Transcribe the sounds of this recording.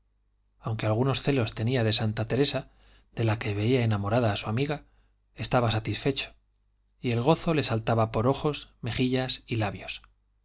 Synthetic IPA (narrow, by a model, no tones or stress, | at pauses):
awŋke̞alɣ̞uno̞sθe̞lo̞st̪e̞niaðe̞sant̪at̪e̞ɾe̞sa | ðe̞lake̞βe̞iae̞namo̞ɾaðaːsuamiɣa | e̞st̪aβasat̪isfe̞t͡ʃo̥ | ie̞lɣ̞o̞θo̞le̞salt̪aβapo̞ɾo̞xo̞sme̞xiʎasilaβjo̞s